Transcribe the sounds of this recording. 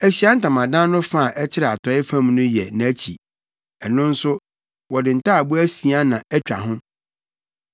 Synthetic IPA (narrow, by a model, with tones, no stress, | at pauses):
æ˨ɕi˦a˦n̩˦tã˨mã˨dã˦n˦nʊ̃˦fa˦˨ʔɛ˦t͡ɕʰɪ˦ɾɛ˨a˨tʰɔ˨˦ɪ˦fã˦m˦nʊ̃˦jɛ˨nã˨æ˦t͡ɕʰḭ˨ | ɛ˨nʊ̃˦n̩˦sʊ˦ | wɔ˨dɪ˨n̩˨tʰa˦a˨bʊ˦æ˦si˨a˦nã˨æ˦t͡ɕᶣa̰˨ɦʊ̃˦